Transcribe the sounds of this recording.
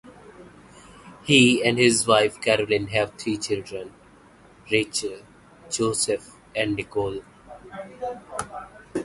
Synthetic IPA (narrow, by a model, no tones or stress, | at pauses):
hiːɛ̃ɳɖhɪzʋaɪfkæɾəlɪ̃nɦɛʋt̪ʰɾiːt͡ʃɪlɖɾə̃n | ɾet͡ʃəl | d͡ʒoːsef | ɛ̃ɳɖnɪkoːl